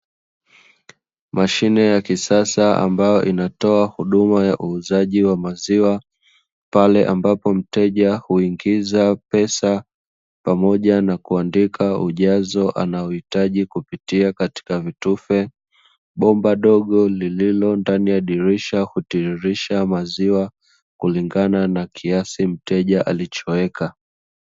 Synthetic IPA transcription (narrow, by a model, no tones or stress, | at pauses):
mʔaʃinɛjakisasaa̰mbajɔʔinatɔahuɗumajaʔuːzaʄiwamaziwa | palɛʔambapɔm̩tɛʄahuiŋɡizapɛsa | pamɔʄanakuandikʰauʄazɔʔa̰naɔhitaʄikupitiakati̥kavitufɛ | ɓɔmbaɗɔɠɔlililɔndanijaɗiɾiʃahutiɾiʃamaziwa | kuliŋɡananakʰiasim̩tɛʄaʔa̰lit͡ʃɔɛka